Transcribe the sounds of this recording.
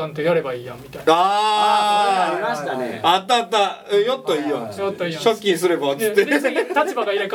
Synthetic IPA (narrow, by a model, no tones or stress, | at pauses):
ãnt̪ojaɾe̞baiːjãmʲit̪aa | aɕi̥t̪aneat̪ːat̪ːajot̪ːoiːjonoiɕokʲːiɲ̃sɨɾe̞bat̪ːet̪at͡ɕibaɡaiɾak